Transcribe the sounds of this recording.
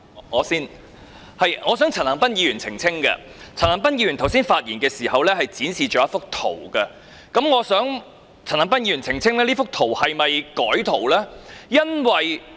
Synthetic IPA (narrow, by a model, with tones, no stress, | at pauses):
ŋɔː˨˧siː˥n | hɐ˨jŋɔː˨˧sœː˨˥ŋt͡sʰɐ˨˩nhɐ˨˩pɐ˥njiː˨˧jyː˨˩nt͡sʰɪ˨˩ŋt͡sʰɪ˥ŋkɐ̰˧ | t͡sʰnhɐ˨˩ŋp̬ɐ˥njiː˧jy˨˩nt̪ʰɐ˨˩wsiː˥nfaː˧t̚jiː˨˩nkɛː˧siː˨˩hɐ˨wlɛː˥hɐ˨jt͡siː˨˥nsiː˨t͡ʃɔː˨˥ɐ˥fʊ˥k̚t̪ʰo̰˨˩wkɐ˧ | kɐ˨˦˥mŋɔː˨˧sœː˨˥ŋ | t͡sʰɐ˨˩nhɐ˨˩ŋp̬ɐ˥njiː˧ɥyː˨˩nt͡sʰɪ˨˩ŋt͡sʰɪ˥ŋlɛː˥liː˥fʊ˥k̚t̪ʰo˨˩whɐ˨jmɐ˨jkɔː˨˥jt̪ʰo˨˩wlɛː˥jɐ˥nwɐ˨j